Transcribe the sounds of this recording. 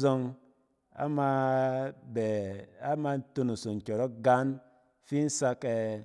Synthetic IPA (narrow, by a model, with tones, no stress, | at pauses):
zɔ˧ŋ | a̰˦ma˧ | bɛ˨a˦ma˧n˦to˧nu˨so˨ŋ̩˨kʲo˨ɾɔ˦ɡa˦n | fi˦n̩˦sa˧ke˧